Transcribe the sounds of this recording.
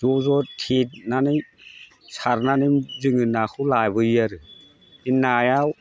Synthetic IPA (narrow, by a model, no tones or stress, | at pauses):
d͡ʒɔzɔtʰinanɯj | saɾnanɯzɯŋɯnakʰɯwlajbɯiaɾɯ | inːajaw